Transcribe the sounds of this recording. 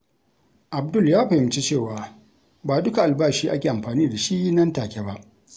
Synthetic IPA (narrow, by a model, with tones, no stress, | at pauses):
ʔa˨b̚dʊ˦˨ljaː˦ɸa˨ɪ˦m˨t͡ʃi˦t͡ʃeː˦˨waː˨ | baː˨dʊ˦ka˨ʔa˨lbaː˦˨ʃiː˦ʔa˦kʲeː˨ʔa˨mɸaː˨niː˦da˨ʃiː˦nɐ˦ntaː˨kʲe˦ba˦ʔ